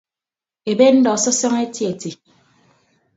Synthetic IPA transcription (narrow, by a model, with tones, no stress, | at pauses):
e˨be˦n̩˦dɔ˨sɔ˦sɔ˦ŋe˦ti˦e˨ti˨